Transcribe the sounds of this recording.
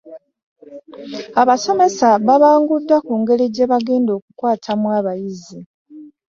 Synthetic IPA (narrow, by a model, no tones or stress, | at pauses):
aβaso̞me̞saβaβaːŋɡudːakuːŋɡe̞ɾiɟe̞βaɡe̞ːndo̞ːkukwaːtʰamwaβajizi